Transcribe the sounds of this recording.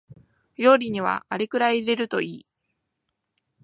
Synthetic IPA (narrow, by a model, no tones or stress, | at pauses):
jo̞ːɾʲiɲ̟iβ̞a̰ːɾʲikɯ̟ɾaiɾe̞ɾɯ̟t̪o̞iː